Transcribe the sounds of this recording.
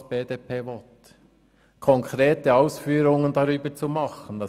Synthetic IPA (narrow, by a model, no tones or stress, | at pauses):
b̥eːd̥eːpʰeːvɔt | kʰɔŋkʰɾeːtəɑʊsfyːɾʊŋəndɑɾyːbət͡sumɑχən̩d̥ɑ